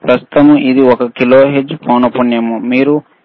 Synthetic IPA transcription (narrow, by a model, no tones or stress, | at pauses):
pɾɐst̪u̥t̪ɐmuid̪iɔkɐkiloːɦed͡ʒːpoːnɐpunjɐmumiːɾu